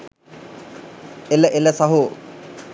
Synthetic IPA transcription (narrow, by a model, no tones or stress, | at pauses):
eləʔeləsaɦo